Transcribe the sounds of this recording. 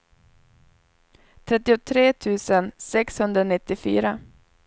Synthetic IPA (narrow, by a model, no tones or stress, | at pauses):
t̪ʰɾɛt̪ːɪʊt̪ʰɾeːt̪ʰʉ̟ːsənsɛkshɵnd̪ɾanɪt̪ːɪfy̰ːɾa